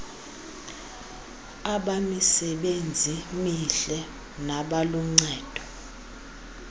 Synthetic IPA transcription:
aɓamisɛɓend͡zʱimiɬɛ | naɓaluŋ͡ǀɛːd̥ʱɔ

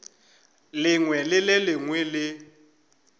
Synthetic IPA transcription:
lɪŋwɛlɪlɪlɪŋwɛlɪ

